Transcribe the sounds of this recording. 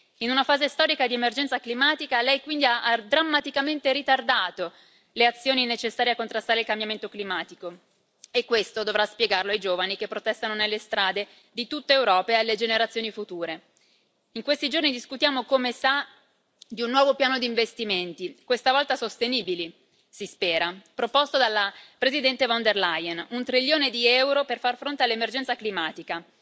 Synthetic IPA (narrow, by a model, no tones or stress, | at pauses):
inunafaːzest̪ɔːɾikad̪iemerd͡ʒɛnt̪saklimaːt̪ikalɛjkwind̪iaʔad̪ɾamːat̪ikament̪eɾit̪ard̪aːt̪o | leat̪sːjoːninet͡ʃesːaːɾjeakːont̪ɾast̪aːɾeilkambjament̪oklimaːt̪iko | ekːwest̪od̪ovɾaspjeɡarloajd͡ʒoːvanikepːɾot̪ɛst̪anonelːest̪ɾaːd̪e | d̪it̪ut̪ːeːwɾɔːpaealːed͡ʒeneɾat̪sjoːnifut̪uːɾe | iŋkwest̪id͡ʒornid̪iskut̪jaːmokomesa | d̪iunːwɔːvopjaːnod̪iːɱvest̪iment̪ikwest̪avɔlt̪asost̪eniːbili | sispɛːɾapɾopost̪od̪alːapɾezid̪ɛnt̪evɔnd̪erlajenunt̪ɾiʎːoːned̪iɛwɾoperfarfɾont̪ealːemerd͡ʒɛnsaklimaːt̪ika